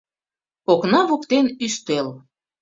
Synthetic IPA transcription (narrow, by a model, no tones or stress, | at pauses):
oknɑβukt̪enyʃt̪el